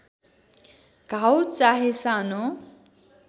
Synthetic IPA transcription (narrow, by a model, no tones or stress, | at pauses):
ɡawt͡saɦesano